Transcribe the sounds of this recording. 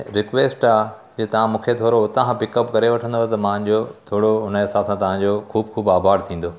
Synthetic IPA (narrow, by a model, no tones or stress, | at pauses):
ɾɪkʋeːsʈaː | d͡ʑeːt̪ɐʋ̤ãmũːkʰet̪ʰoːɾoʊt̪ãpɪkəpkɐɾeʋɐʈʰə̃nd̪ot̪ɐmãɦə̃ɲd͡ʑot̪ʰoːɽoʊnəɦɪsaːbsãt̪ɐʋ̤ãɲd͡ʑokʰuːbxʰuːbaːbʱaːɾt̪ʰĩːn̆d̪o